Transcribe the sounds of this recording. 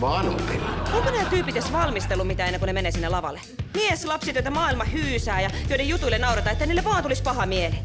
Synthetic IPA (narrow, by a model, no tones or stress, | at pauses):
ʋɑnupinoŋkonæːt̪yːpːit̪esʋɑlmist̪elːumit̪æːenːeŋkunemeneːsinːelɑʋɑ̰lːe | mieslɑpsit̪oit̪ɑmɑːilmɑhyːsæːjɑjoiɾejut̪uilːenɑurɑt̪ɑet̪ːæniːleʋɑːnt̪ulispɑhɑmiele